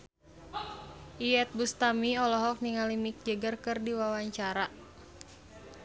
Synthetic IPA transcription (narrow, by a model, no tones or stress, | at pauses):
ʔiɛt̪̚bust̪amiɔlɔɦɔk̚niŋalimik̚d͡ʒəɡərkɨrdiwawaɲt͡ʃaɾa